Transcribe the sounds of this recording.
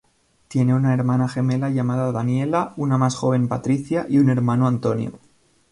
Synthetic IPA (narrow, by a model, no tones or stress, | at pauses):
t̪je̞ne̞unae̞ɾmanaxe̞me̞laʝamaðaðanje̞launamasxo̞β̞e̞mpat̪ɾiθjaʔiune̞ɾmanoant̪o̞njo̰